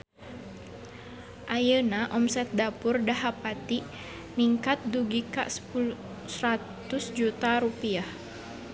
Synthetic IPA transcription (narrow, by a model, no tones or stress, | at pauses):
ʔajənaʔɔmsɛt̪̚dapʊrdaɦapat̪iʔ | niŋkat̪̚duɡika̰ʔsə̥pul | sɾatt̪ʊsd͡ʒut̪aɾupiah